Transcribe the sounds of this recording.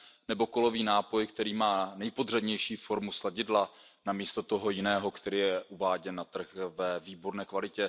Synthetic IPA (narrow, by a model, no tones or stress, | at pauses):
nɛbo̞ko̞lo̞viːnaːpo̞jkt̪ɛɾiːmaːnɛjpodr̝ɛdɲɛjʃiːfo̞ɾmuslaɟɪdla | namiːst̪o̞t̪o̞ɦo̞jɪnɛːɦo̞kt̪ɛɾiːjɛʔuvaːɟɛnːat̪r̩xvɛviːbo̞ɾnɛːkvalɪcɛ